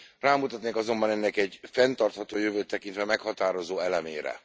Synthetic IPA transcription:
raːmut̪ɒt̪neːkɒzo̞mbɒnɛnːɛkɛɟfɛnt̪ɒrt̪hɒt̪oːjøvøːt̪ːɛkint̪ʋɛmɛkhɒt̪aːɾo̞zoːɛlɛmeːɾɛ̰

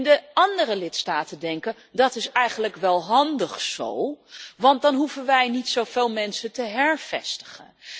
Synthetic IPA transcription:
ndəɑndərəlɪtstaːtəndɛŋkə | dɑtɪsɛjχənləkʋɛlˠɦɑndəχso̰wʋɑntdɑnɦuvənʋɛjnitsowv̥eːlˠmɛnsətəɦɛɹv̥ɛ̰stə̥χə̰n

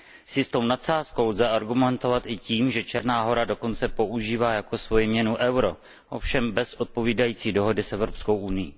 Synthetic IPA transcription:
sɪst̪o̞wnat̪saːsko̞wlzɛʔaɾɡumɛnt̪o̞vat̪ʔɪciːmʒɛt͡ʃɛɾnaːɦo̞ɾado̞ko̞nt͡sɛpo̞ʔuʒiːvaːjako̞svo̞jɪmɲɛnuʔɛwɾo̞ | ʔo̞fʃɛmbɛsʔo̞t̪̚po̞viːdajiːt͡siːdo̞ɦo̞dɪsʔɛvɾo̞psko̞wʔunɪjḭː

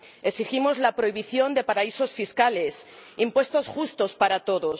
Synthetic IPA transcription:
e̞siximo̞zlapɾo̞iβ̞iθjo̞nd̪e̞paɾaiso̞sfiskale̞s | impwe̞st̪o̞sxust̪o̞spaɾat̪o̞ðo̞s

